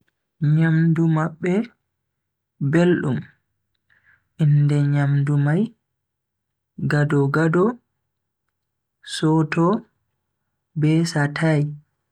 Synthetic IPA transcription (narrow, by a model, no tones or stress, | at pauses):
ɲamdumaɓːɛ | belɗum | ʔindɛɲamdumaj | ɡadɔɡadɔ | sɔtɔ | bɛsatʰaj